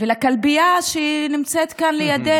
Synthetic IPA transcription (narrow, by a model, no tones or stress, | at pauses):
velakalbiaʃeinimt͡set̪kanlejad̪e